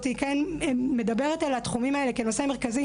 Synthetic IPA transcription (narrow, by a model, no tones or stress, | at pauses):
tikenme̞dabe̞ʁet̪alat̪χumimaelekeno̞seme̞ʁkazi